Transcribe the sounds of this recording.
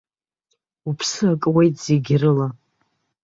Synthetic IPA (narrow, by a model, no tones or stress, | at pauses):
upʰsɨakʼwejtʰʼz̥eɡʲrɨla